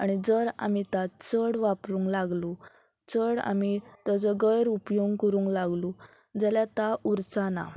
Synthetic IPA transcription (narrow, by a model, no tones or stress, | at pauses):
aɽ̃id͡zəɾa̰mit̪at͡səɽʋapɾũŋklaɡlu | t͡səɽa̰mit̪ad͡zəɡəjɾupjoŋkəɾuːŋklaɡlu | d͡zəljat̪auɾt͡sana̰